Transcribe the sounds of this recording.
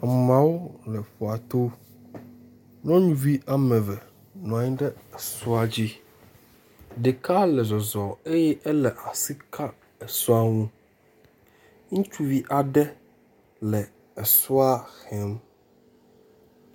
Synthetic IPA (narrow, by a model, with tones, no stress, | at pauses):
a˨mã˨˦wo˦lɛ˨ɸɔ˨a˨t̪o˦ | nɔ̃˦ɲũ˦vi˦ʔa˨mɛ̃˨vɛ˨ | nɔ̃˨a˨ɲĩ˦ɖɛ˦ɛ˨su˦a˦d͡ʑi˦ | ɖe˨ka˦lɛ˨zɔ˨zɔ˨e˦jɛ˦ʔɛ˦lɛ˨ʔa˨si˦kʰa˦ | ɛ˨su˦a˦ŋũ˦ | ŋũ˦t͡ʃu˦vi˦ʔa˨ɖɛ˦ | lɛ˨ | ɛ˨su˦a˦xɛ˦m